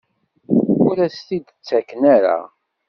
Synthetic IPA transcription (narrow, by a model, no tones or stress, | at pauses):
ʊɾæst̪id̪ət͡sːækːənaɾa̰